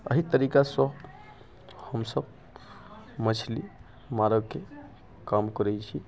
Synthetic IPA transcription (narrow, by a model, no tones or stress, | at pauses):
ə̰ɦit̪əɾikasə | həmsəb | mət͡ʃʰli | maɾəɡke | kamkəɾɛt͡ʃʰi